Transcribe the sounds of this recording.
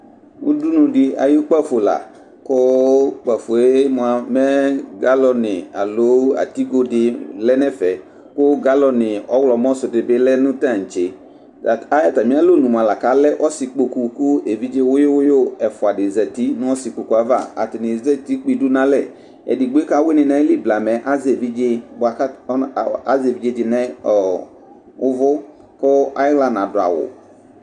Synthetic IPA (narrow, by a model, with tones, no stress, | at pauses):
wʊ̰˦du˦nũ˨dɪ˦a̰˨jo˦k͡pa˦fo˨la̰˨ | kʊ˦k͡pa˨fo˨e˦m˨a˨mɛ˦ɡa˦lɔ˨nɪ˨a̰˨lo˨˦a̰˨t̪i˦ɡo˦dɪ˨lɛ˦nɛ˦fɛ˨ | kʊ˦ɡa˦lɔ˨nɪ˨ɔ˦wlɔ˨m˦ɔ̃˦sʊ˨dɪ˨bɪ˦lɛ˦nʊ̃˦tã˦˨n̩˨t͡ʃe˨ | a˨a˦ja˨ta˨mĩ˦a˦lo˦˨nũ˨m˨a˨la˨ka˨˦lɛ˦ʔɔ˦sɪ˨k͡po˨ku˨ku˦e˨vi˦d͡ʒe˦wʊ˦jɪ˦wʊ˦jo˦ɛ˨fʊ˨a˨dɪ˨zɛ˨ti˦nʊ̃˦ɔ˦si˨k͡po˨ku˨a˨˦va̰˦˨a̰˨tɪ˨nɪ̃˨zɛ˦ti˦k͡pi˨du˦nã˦lɛ˦˨ | ɛ̰˨dɪ˨ɡ͡be˦ka˦we˦nɪ˨nã˦li˦bla˨mɛ˨ʔa˦ze˨vi˦d͡ʒe˦ba˨˦˨a˦ze˨vi˨˦d͡ʒe˦d͡ʒɪ˨nɛ˦ɔ˨ | ʊ˦vʊ˦ | kʊ˦a̰˦ɪ˦ɣla˨nã˨dʊ˨a̰˨wʊ̰˨